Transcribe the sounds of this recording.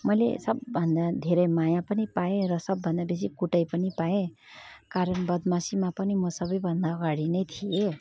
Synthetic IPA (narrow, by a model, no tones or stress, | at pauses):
mʌjlḛsʌbbʱʌnd̪ad̪ʱeɾʌjmajãpʌnipaeɾʌsʌbːʱʌnd̪abes̬ikuʈʌjpʌnipaẽkaɾʌnbʌd̪masimapʌnimʌsʌbʌjbʱʌnd̪aʌɡaɽinʌjt̪ʰie